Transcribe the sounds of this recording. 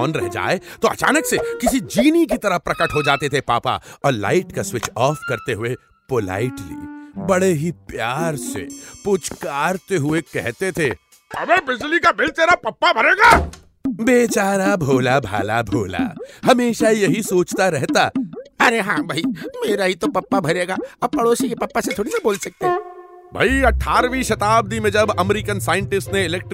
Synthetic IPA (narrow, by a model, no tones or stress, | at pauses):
nɾɛɦd͡ʒa̰ːet̪oɐ̰t͡ʃa̰ːnəksekɪsid͡ʒiːnik̬it̪ɐɾəpɾɐkəʈɦod͡ʒaːt̪et̪ʰepaːpa̰ɔːɾla̰ːɪʈkaswɪt͡ʃɔːfkɐɾt̪eɦʊe | pola̰ːɪʈɾḭːbɐɽeɦipjaːɾsḛpʊt͡ʃkaːɾt̪eɦʊekɛɦt̪et̪ʰeː | ɐmebɪd͡ʒlikabɪlt̪eːɾapɐpːabʱɐɾeːɡaː | beːt͡ʃaːɾabʱoːlabʱa̰ːla̰bʱo̰ːla̰hɐmeːʃajɐɦisoːt͡ʃt̪aɾɛɦt̪aːɐɾeɦãːbʱɐimeːɾaɦit̪opɐpːabʱɐɾeːɡaːɐb̚pɐɽoːsijepɐpːaset̪ʰoːɽisɐboːlsɐk̚t̪eɦɛ̃ːbʱɐ̰iɐʈʰːaːɾʋĩʃɐt̪aːb̚d̪imẽd͡ʒɐbɐmɾikənsaːɪ̃ɳʈɪsʈneɪlɛk̚ʈ